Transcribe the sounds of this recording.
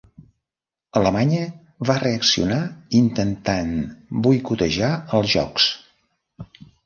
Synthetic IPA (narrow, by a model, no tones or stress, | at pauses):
ələmaɲə | βareəksiunaint̪ənt̪anbujkut̪əʒaəlˠzʒɔ̰ks